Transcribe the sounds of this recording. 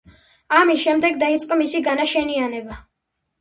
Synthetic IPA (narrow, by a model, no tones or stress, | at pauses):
amisʃɛmd̪ɛɡd̪ait̪sʼqʼɔmisiɡanaʃɛnianɛba